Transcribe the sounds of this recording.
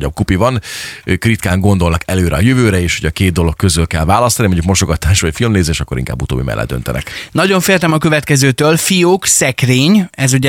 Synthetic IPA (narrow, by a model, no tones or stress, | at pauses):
ɔb̚kupivɒnøːkrit̪kaːŋɡo̞nd̪olnɒkɛløːɾʔɛɒjøvøːɾɛeːʃhoɟɒkeːd̪̚d̪o̞lo̞kkːøzylkɛlvaːlɒst̪ɒnimo̞ɲɟukmo̞ʃo̞ɡɒt̪aːʃʋɒcfilmneːzeːʃɒkːo̞ɾiŋka̰ːbːut̪o̰ːbḭmɛ̰lːɛ̰d̪d̪ønt̪ɛnʔɛ̰knɒɟo̞ɱfeːrt̪ɛmɒkøvɛt̪kɛzøːt̪øːlfijoːksɛkreːɲɛzuɟɛ